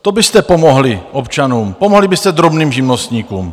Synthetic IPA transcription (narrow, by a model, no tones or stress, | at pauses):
t̪o̞bɪst̪ɛpo̞moɦlɪʔopt͡ʃanuːmpomoɦlɪbɪst̪ɛd̪ɾo̞bniːmʒɪmnost̪ɲiːkṵːm